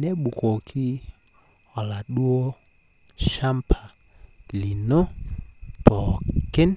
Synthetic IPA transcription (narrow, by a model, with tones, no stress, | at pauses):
nɛ˦ɓu˨ko˨kʰi˦ | ɔ˨la˨ɗu˦o˦ | ʃa˦mpʰa˨li˨no˦ | pɔ˨kɪ˦n